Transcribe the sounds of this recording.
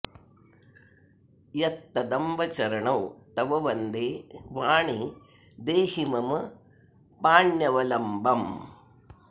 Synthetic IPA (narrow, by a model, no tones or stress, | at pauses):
jɐt̪ːɐd̪ɐmbɐt͡ʃɐɾɐɳɐwt̪ɐʋɐʋɐnd̪eːʋaːɳi | d̪eːhimɐm | paːɳjɐʋɐlɐmbɐm